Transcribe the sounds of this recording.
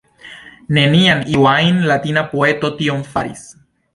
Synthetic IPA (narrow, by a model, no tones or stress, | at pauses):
nenianiwajnlat̪inapoet̪ot̪iomfaɾḭs